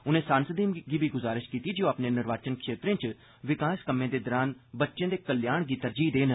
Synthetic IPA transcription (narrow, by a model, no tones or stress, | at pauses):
ʊnẽːsaːnsəd̪iːmɡiːbʱiːɡʊzaːɾɪʃkiːt̪iːd͡ʒõːapneːnɪɾʋaːt͡ʃənkʃeːt̪ɾẽːt͡ʃ | ʋɪkaːskəmːẽːd̪eːd̪ɔɾaːnbətːʃẽːd̪eːkəljaːɳɡiːt̪əɾd͡ʒiːd̪eːn